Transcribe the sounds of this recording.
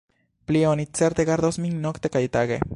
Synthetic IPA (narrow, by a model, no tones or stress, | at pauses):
plionit͡seɾt̪eɡaɾd̪osmiŋnokt̪e̞kajt̪aɡe̞̰